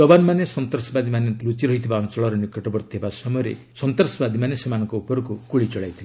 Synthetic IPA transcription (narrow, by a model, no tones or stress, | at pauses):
ɔbanɔmanesɔnt̪ɔɾsɔbad̪ʱimanelut͡ʃiɾɔɦit̪ʰibaɔŋt͡ʃɔɭɔɾɔnikɔʈɔbɔɾt̪iɦebasɔmɔjɔɾḛ | sɔnt̪ɾsɔbad̪ʱimanesemanɔŋkɔupɔɾɔkukuɭit͡ʃɔɭajt̪ʰile